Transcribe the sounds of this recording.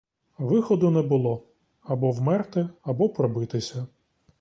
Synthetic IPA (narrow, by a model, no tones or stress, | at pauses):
ʋɪxɔd̪ʊnɛbʊlˠɔ | ɐbɔwmɛrt̪ɪɐbɔpɾɔbɪt̪ɪsʲɐ